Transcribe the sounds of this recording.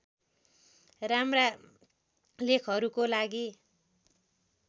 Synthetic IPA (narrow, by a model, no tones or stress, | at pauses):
ramra | lekʰɦʌɾukolaɡi